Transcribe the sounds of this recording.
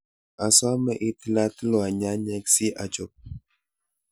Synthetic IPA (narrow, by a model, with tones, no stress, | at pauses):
a˨sa˦mə˦ʔi˦ti˦la˦ti˦lo˨a˨ɲa˦ɲɛ˦ksi˦ʔa˨d͡ʒo˨p̚